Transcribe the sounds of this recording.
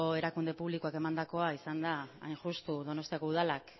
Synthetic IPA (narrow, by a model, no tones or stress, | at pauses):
oe̞ɾakund̪e̞puβlikoake̞mand̪ako̞aisand̪a̰ːjnʝust̪uðo̞no̞st̪iako̞uð̞alak